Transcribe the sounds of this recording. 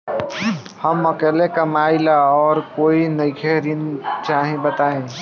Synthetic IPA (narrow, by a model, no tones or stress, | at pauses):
həmːəkelekəmailaɔːɾkoːinəɪkʰeɾint͡ʃaːɦĩbət̪aːẽ